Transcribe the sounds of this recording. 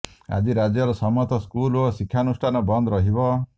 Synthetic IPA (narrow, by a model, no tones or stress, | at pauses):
a̰d͡ʒiɾad͡ʒjɔɾɔsɔmɔt̪ɔskulosikʰːanusʈʰanɔbɔnd̪ɔɾɔɦibɔ